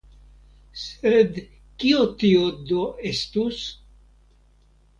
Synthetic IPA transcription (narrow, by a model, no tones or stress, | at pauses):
sed̪ | kiot̪iod̪oest̪us